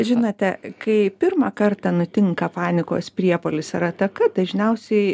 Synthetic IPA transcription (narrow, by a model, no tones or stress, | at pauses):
ʒʲɪnɐt̪ʲɛkɐɪpʲɪrmɐkɐrt̪ɐnʊt̪ʲɪŋkɐpɑːnʲɪko̰ːspʲɾʲiɛpoːlʲɪsɐɾɐt̪ɐkɐd̪ɐʒʲnʲɛʊsʲɛɪ